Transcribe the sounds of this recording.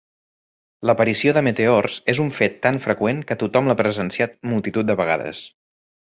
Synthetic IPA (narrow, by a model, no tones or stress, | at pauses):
ləpəɾisioðəmət̪eɔrz̥ezuɱfet̪ːaɱfɾəkweŋkət̪ut̪ɔmlapɾəzənsiat̪̚mulˠt̪it̪ut̪̚d̪əβəɣa̰ðə̰s